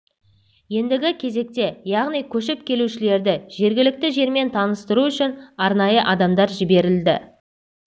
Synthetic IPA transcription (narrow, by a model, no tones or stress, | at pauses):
je̞nd̪ɪɡʲɪkʲʰe̞ze̞k̚t̪e̞jɑʁnijkʲʰɵʃɪp̚kʲʰe̞luʃɪle̞ɾd̪ɪʒ̥e̞ɾɡʲɪlɪk̚t̪ɪʒe̞ɾme̞nt̪ʰɑnəst̪əɾuʏʃɪnɑɾnɑjəʔɑd̪ɑmd̪ɑɾʒɪbe̞ɾɪld̪ɪ̰